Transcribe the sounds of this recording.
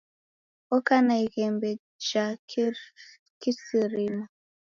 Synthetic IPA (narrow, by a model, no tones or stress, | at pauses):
ɔkanaiɣɛmbɛ | d͡ʒak | kisiɾima